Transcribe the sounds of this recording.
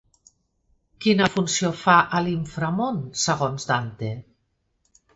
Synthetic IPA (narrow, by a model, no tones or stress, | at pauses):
kinəfunsiofaʔəliɱfɾamonsəɣ̞onzd̪ant̪e